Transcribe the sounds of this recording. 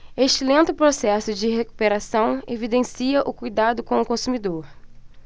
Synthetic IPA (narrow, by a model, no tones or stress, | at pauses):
eʃt͡ʃɪlẽnt̪ʊpɾosɛsʊd͡ʒɪɦeku̥peɾasɐ̃w̃evid̪ẽsiɐʔʊkujd̪ad̪ʊkõw̃ʊkõsumid̪oɾ